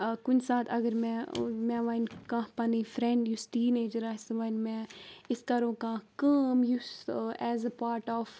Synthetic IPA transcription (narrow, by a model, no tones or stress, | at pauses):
kʊnsaːt̪ʰɐɡəɾmɛ̃mɛ̃ːʋankãːɦpɐnifɾɛ̃ɳɖjusʈiːneːd͡ʒəɾasɐʋãnmɛ̃ːɪskɐɾõːkãːhkaːmjusɛːzəpaːɾʈɔːf